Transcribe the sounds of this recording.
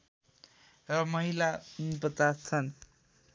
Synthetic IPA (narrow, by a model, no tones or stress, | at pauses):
rʌmʌɦilabʌt̪at͡sʰʌn